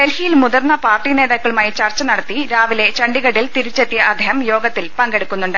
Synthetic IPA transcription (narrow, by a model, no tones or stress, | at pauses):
elhijilmuðɐrnːɐpaːrʈine̞ːðaːkːɐɭumaːjit͡ɕɐrt͡ɕːɐnɐɽɐt̪ːiɾaːʋile̞t͡ɕɐɳɖiɣɐɽilt̪iɾit͡ɕːet̪ːijɐʔɐd̪ʱeɦɐmjo̞ːɡɐt̪ːilpɐŋɡe̞ɽukːunːuɳɖɨ